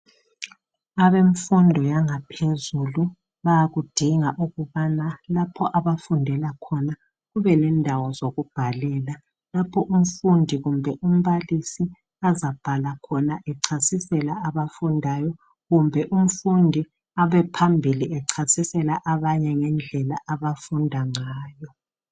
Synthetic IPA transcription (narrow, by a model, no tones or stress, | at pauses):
aβeɱfundʱɔjaŋapʰezulu | βajaɣud̥ʱiŋaʔuɣuβanalapʰɔʔaβafundʱɛlakʰɔna | ɣuβɛnɛndʱawɔzoɣub̥ʱalɛːla | lapʰɔʔum̩fundʱiɣumbʱɛʔum̩βalisi | azab̥ʱalakʰɔnaʔɛǀʰasisɛlaaβafundʱajɔ | ɣumbʱɛʔum̩fundʱi | aβɛpʰambʱiliʔɛǀʰasisɛlaʔaβaɲɛŋɛnd͡ɮʱɛlaʔaβafundʱaŋaːjɔ